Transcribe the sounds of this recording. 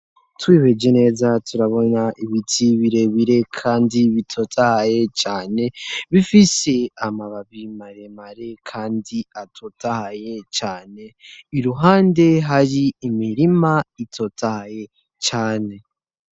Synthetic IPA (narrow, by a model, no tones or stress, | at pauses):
twiːβed͡ʒene̞ːzatuɾaβo̞naʔiβitʰiβiɾe̞βiɾe̞kʰaːndiβitʰo̞tʰahaje̞t͡ʃaːne̞βifise̞amaβaβimaɾemaɾe̞kʰaːndiatʰotahaje̞t͡ʃaːne̞iɾuɦaːnde̞ɦaɾiːmiɾimaitʰo̞tahaje̞ | t͡ʃaːne̞